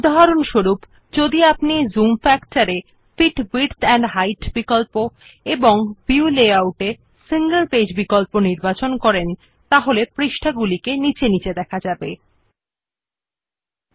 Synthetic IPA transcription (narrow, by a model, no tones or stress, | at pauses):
ud̪aɦaɾonʃoɾup | d͡ʑod̪iapnizumfɛkʈaɾe | fiʈbiɾt̪ɛɳɖɦajʈbikolpo | eboŋbiuleawʈe | siŋɡelped͡ʑbikolponiɾbat͡ɕonkɔɾen | t̪aɦolepɾiʃʈʰaɡulikenit͡ɕenit͡ɕed̪ɛkʰad͡ʑabe